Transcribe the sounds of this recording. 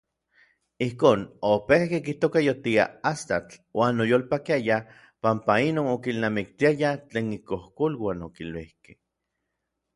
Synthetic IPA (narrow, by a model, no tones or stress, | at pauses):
ihkoːnopehkekiht̪okajot̪ia̰ast̪at͡ɬwaːnojoːlpakiaja | pampainoːnokilnamik̚t̪iajat͡ɬeːnikohkolwanokilwihkeh